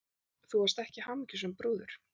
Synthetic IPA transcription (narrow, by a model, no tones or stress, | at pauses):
θuaɾst̪ɛhcɪhamɪcʏ̥s̬ɛmpɾoːðʏɾ̥